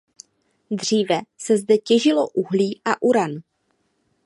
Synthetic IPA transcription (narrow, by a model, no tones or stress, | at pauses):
d̪r̝iːvɛsɛzdɛcɛʒɪlo̞ʔuɦliːʔaʔuɾan